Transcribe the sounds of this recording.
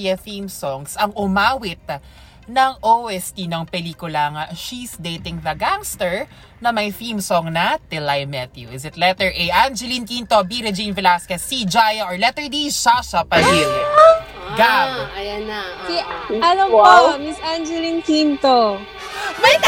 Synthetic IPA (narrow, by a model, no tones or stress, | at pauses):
jɐθimsoŋsɐŋʊmaːwɪt̪̚ | nɐŋʔowʔɛst̪inɐŋpɛliːkʊlɐŋɐʃisd̪ejt̪ɪŋðɐɡaŋst̪ɛɹ | nɐmɐjθimsoŋnɐt̪ɪlajmɛt̪juʔɪzɪt̪lɛt̪ɛɹʔejʔand͡ʒɛlinkint̪obiɾɛd͡ʒinvɛlaskɛsːid͡ʒajɐʔɔɹlɛt̪ɛɹd̪iʃasɐpɐɦil | ɡaɐjɐnaiɐlɐmomisʔand͡ʒɛlinkint̪o | mɐ